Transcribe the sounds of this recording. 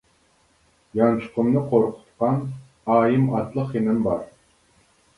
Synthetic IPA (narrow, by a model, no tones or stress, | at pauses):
jɑnt͡ʃʰʊ̥qʰʊmnɨqʰoɾqʰʊ̥t̪qɑn | ɑːjimɑt̪lˠəqjinɪnbɑ̰ɾ